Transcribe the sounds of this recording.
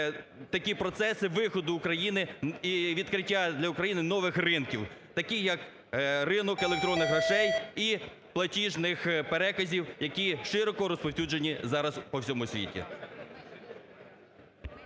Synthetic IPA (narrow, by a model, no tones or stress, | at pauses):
t̪ɐkʲipɾɔt̪sɛsɪʋɪxɔd̪ʊːkɾɐjinɪiʋʲid̪kɾɪtʲːad̪ʲlʲɐʊkɾɐjinɪnɔʋɪxrɪnkʲiwt̪ɐkʲijɐk | rɪnɔkelˠek̚t̪ɾɔnːɪxɾɐʃɛji | plˠɐtʲiʒnɪxpeɾɛkɐzʲiwjɐkʲiʃɪɾɔkɔɾɔspɔwsʲud͡ʒenʲizɑɾɐspɔwsʲɔmʊsʲʋʲḭtʲḭ